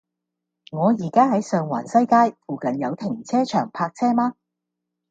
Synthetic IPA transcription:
ŋɔː˨˧jiː˨˩kaː˥ɦɐ˨˥jsœː˨ŋwa̰ː˨˩nsɐ˥jkaː˥jfuː˨˧kɐ˨njɐ˨˧wt̪ʰɪ˨˩ŋt͡sʰɛː˥t͡ʃʰœː˨˩ŋpʰaː˧k̚t͡sʰɛː˥maː˥

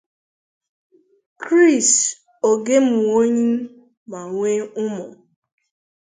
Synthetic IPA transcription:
kɾi˦˨st | o˨ɡe˦mʊ˨o˦ɲi˦n̩˦ | ma˨ŋʷe˦ʊ˦mʊ˨

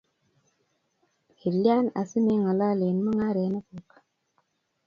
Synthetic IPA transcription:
hi˨lja˦na̰˨si˦me˦ŋa˨la˦le˨nmɔ˦ŋa˦ɾe˨˦na˦ko˨k

